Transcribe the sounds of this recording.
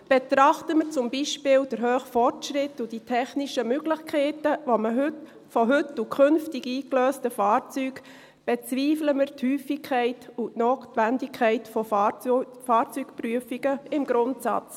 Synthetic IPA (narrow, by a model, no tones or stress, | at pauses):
b̥et̪ɾɑχtəməɾt͡sʊmbiʃpɪːld̥əɾɦøːχfɔrtʃɾɪtːʊd̥itʰɛχniʃəmʏɡ̥lɪχkʰɛɪtəvomə | fɔɦʏtukχʏnftɪɡiːkløːstəfɑːɾt͡syːk | b̥ɛt͡sʋiːfləməɾthyːfikʰɛɪtʊtnoːtvændikʰːɛɪtfɔ | fɑːɾt͡syːkpryəfiɡəɪmɡɾʊntsɑ̰t͡s